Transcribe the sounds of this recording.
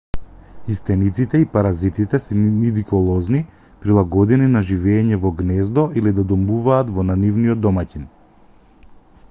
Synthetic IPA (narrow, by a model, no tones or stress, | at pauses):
ist̪ɛnit̪sit̪ɛipaɾazit̪it̪ɛsɛnid̪ikulˠɔzni | pɾilˠaɡɔd̪ininaʒivɛːɲɛvɔɡnɛzd̪ɔʔilid̪ad̪ɔmuvaːt̪vɔnanivniɔd̪ːɔmacin